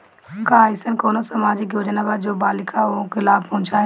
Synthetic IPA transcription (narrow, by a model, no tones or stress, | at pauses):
ɡaːɪsənkoːnosəmaːd͡ʒɪkjoːd͡ʒnabaːd̪̚d͡ʒoːbaːlɪkʰaokɪlaːbpɐɦʊ̃t͡ʃaɦ